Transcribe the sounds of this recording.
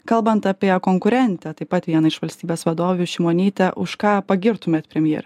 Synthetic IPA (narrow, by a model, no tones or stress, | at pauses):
kɐlˠbɐnt̪ɑpʲiɛkoːŋkʊɾʲɛnʲt̪ʲɛt̪ɐɪpːɐt̪ʲʋʲiɛnɐɪʃʋɐlʲst̪ʲiːbʲeːsʋɐd̪oːʋʲuːʃʲiːmoːnʲiːt̪ʲɛʔʊʃkɑːpɐɡʲɪɾt̪ʊmʲeːt̪ʲpʲɾʲɛmʲjḛːɾʲ